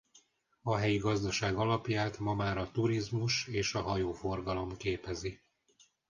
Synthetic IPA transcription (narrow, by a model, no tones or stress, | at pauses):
ɒɦɛjiɡɒzd̪ɒʃaːɡɒlɒpjaːt̪mɒmaːɾɒt̪uɾizmuʃeːʃɒɦɒjoːfo̞rɡɒlo̞mkeːpɛzi